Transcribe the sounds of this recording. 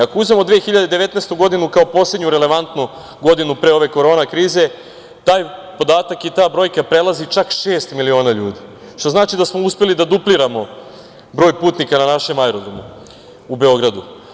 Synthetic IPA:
ako̞uzmemo̞d̪ʋexiʎad̪ed̪e̞ʋe̞t̪neːst̪uɡo̞d̪inukao̞po̞sled̪ɲuɾe̞le̞ʋant̪nu | ɡo̞d̪inupɾeo̞ʋe̞ko̞ɾo̞ːnakɾiːze̞ | t̪aːjpo̞d̪aːt̪akit̪aːbɾo̞jkapɾe̞lˠazit͡ʃakʃe̞ːst̪milio̞ːnaʎuːd̪i | ʃt̪o̞znaːt͡ʃid̪asmouspe̞lid̪ad̪upliɾamo̞ | bɾo̞ːjpuːt̪nikananaʃe̞majɾod̪omu | ube̞o̞ɡɾad̪u

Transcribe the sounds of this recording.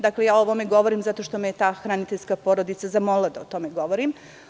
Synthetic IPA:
d̪aklejaːooʋomeɡo̞ʋoɾimzat̪o̞ʂt̪o̞mejet̪aːxɾanit̪eʎʲskapoɾod̪it̪sazamolad̪aot̪o̞meɡo̞ʋoɾim

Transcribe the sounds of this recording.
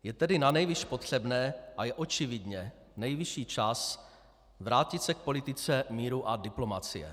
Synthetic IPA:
jɛt̪ɛdɪnanɛjvɪʃpo̞t̪r̝̥ɛbnɛːʔajɛʔo̞t͡ʃɪvɪdɲɛ | nɛjvɪʃiːt͡ʃas | vɾaːcɪt̪sɛk̚po̞lɪt̪ɪt͡sɛmiːɾuʔadɪplo̞mat͡sɪjɛ̰

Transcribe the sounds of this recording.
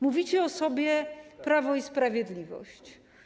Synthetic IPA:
muvʲit͡ɕɛɔsɔbʲjɛpɾavɔispɾavʲjɛd̪lʲivɔ̰ɕt͡ɕ

